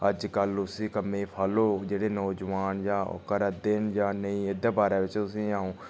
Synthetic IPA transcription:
əd͡ʒkəlʊsĩːkəmeːpʰaːloːd͡ʒeːɽeːnɔːd͡ʒʋaːnjãːkəɾəd̪ɪnd͡ʒaːnəĩːɪd̪aːbaːɾaːʋɪt͡ʃt̪ʊsĩːaːũː

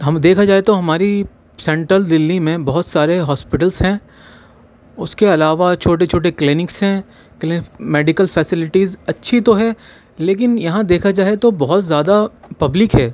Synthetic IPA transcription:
ɦɐmd̪eːkʰad͡ʒaːet̪oɦɐmaːɾi | sɛ̃ɳʈɾəld̪ɪlːimẽbɐɦʊt̪saːɾeɦɔːspɪʈəlzɦɛ̃ː | ʊskeɐlaːʋat͡ʃʰoːʈet͡ʃʰoːʈ̬eklɪnɪksɦɛ̃ | klɪɪkmeːɖɪkəlfʰɛːsɪlɪʈizɐtːʃʰit̪oɦɛː | leːk̬ɪnjɐɦãd̪eːkʰad͡ʒaːet̪obɐɦʊt̪zjaːd̪apɐblɪkɦɛː

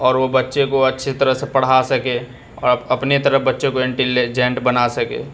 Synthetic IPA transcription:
ɔːɾʋobɐtːʃekoɐtːʃʰet̪əɾəɦsepɐɽ̤ɦasɐke | ɔ̰ːɾɐpnet̪ɐɾəɦbɐtːʃẽkoɪ̃ɳʈeled͡ʒẽɳʈbɐnasɐkḛː

